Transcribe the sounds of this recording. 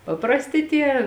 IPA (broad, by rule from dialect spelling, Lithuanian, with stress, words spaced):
pɐprɐsʲˈtʲɪ ˈtʲiɛ